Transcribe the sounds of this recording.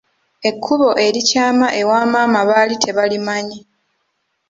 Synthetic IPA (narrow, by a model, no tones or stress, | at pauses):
e̞kʰːuβo̞ʔe̞ɾicaːmaʔe̞waːmaːmaβalitʰe̞βalimaɲi